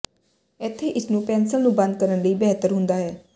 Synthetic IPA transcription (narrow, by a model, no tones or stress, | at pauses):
ɪt̪ʰːeːʔɪsnũːpɛ̃ːnsəlnũːbə̃nd̪̚kəɾənləiːbɛːt̪əɾɦʊnd̪aːɦɛː